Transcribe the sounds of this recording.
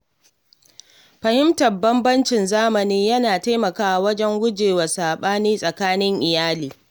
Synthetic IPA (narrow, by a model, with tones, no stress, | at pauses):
ɸɐ˨hɪ˦mtɐ˨bɐ˦mbɐ˦nt͡ʃɪ˨nzaː˦mɐ˨niː˦jɐ˦naː˨ta˦jmɐ˨kaː˦˨wɐ˦d͡ʒɛ˦ŋɡʷʊ˦d͡ʒeː˨wa˨saː˨ɓaː˦niː˦sʼɐ˨kaː˦nɪ˦ŋʔɪ˨jaː˦liː˨